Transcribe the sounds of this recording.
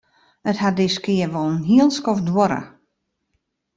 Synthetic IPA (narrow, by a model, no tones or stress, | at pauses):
əthadɪskɪərʋɔlˠnɦiəlˠskɔfdwoɾə̰